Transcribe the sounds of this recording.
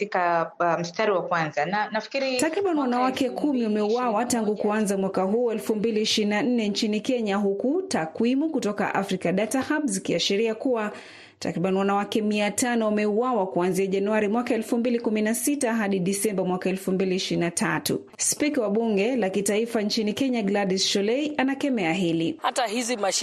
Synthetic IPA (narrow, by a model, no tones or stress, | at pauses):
tikam̩staɾiwakwanzananafi̥kiɾitakɾiɓaniwanawakɛkʰumiamɛuwawataŋɡukuanzamwakaɦuːɛlfumbiliːʃiɾinan̩nɛnt͡ʃinikɛɲaɦukutakwimukutɔka̰ʔafɾikaɗatahabzikiaʃiɾiakuwa | ta̰kɾiɓaniwanawakɛmiatanɔwamɛuwawakuanziaʄanuaɾimwakaɛlfumbilikuminasitaɦaɗiɗisɛmbamwakaɛlfumbiliʃiɾinatʰatṵ | spikawaɓuŋɡɛlakitaifant͡ʃinikɛɲaɡladisʃɔlɛiʔanakɛmɛaɦɛlihatahizimaʃ